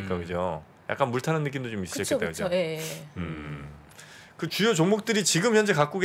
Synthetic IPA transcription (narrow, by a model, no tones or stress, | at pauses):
ik͈akɯd͡ʑo | ja̰k͈anmuɭtʰanɯnːɯk̬͈imdot͡ɕomis͈ɯɕʌt͡ɕ͈kektakɯoeɯ | kɯt͡ɕujot͡ɕoŋmok̚t͈ɯɾit͡ɕiɡɯmçjʌnd͡ʑekak͈uɡ